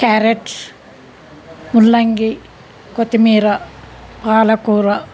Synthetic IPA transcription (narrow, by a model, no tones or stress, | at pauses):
kaːɾeʈs | mulːɐŋɡi | kot̪imiːɾɐ | paːlɐkuːɾɐ